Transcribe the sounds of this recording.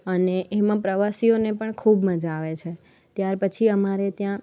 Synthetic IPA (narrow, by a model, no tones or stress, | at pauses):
əneʔemãpɾəʋasionepəɳkʰubməd͡ʒaːʋet͡ʃʰe | t̪jaɾpət͡ʃʰiəmaɾet̪jã